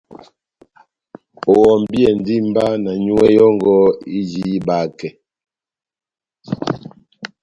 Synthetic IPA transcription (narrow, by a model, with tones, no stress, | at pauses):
o˨wɔ˨m˨bi˦ɛ˨n˦di˦m˦ba˦na˨ɲu˦wɛ˦jɔ˦ŋɡɔ˦i˦d͡ʒi˦i˦ba˨kɛ˨